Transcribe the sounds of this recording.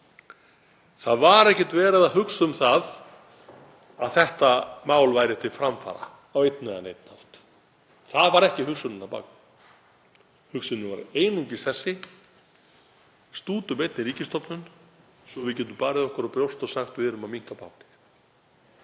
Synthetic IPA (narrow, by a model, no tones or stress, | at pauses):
θaðvaɾɛhcɛt̪vɛːɾɪðahʏksʏmθað | aðθɛht̪amaːwlvajɾɪt̪ʰɪlfɾamfa̰ːɾa̰ː | wejt̪nɛanḛjt̪na̰l̥t̪ | θaðvaɾɛhcɪɦʏksʏnɪnːapa̰k̚nɪ | hʏksʏnʏvaɾeːjnuɲcɪsθɛsːɪ | st̪uːt̪ʏmejt̪nɪɾiːcɪst̪ɔwpnʏn | sɔvɪðcɛːt̪ʏmpaːɾɪðɔhkaɾɔpɾjowst̪ɔsaxt̪vɪɾʏmamiŋ̥kapa̰wt̪nɪx